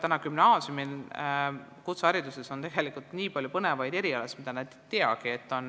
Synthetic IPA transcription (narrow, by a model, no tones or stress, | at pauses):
t̪ænɑkymnɑːsjumin | kut̪sɑæɾid̪useso̞nt̪e̞ɡ̥e̞likˑult̪niːpɑlʲjupɤne̞vɑjd̪̥e̞ɾiɑlesmid̪ɑnæd̪t̪ːe̞ɑ̰ɡ̥ie̞t̪ːˑo̞n